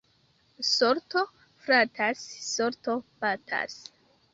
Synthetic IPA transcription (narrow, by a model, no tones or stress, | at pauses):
soɾto | fɾatʰasːoɾtopatʰa̰s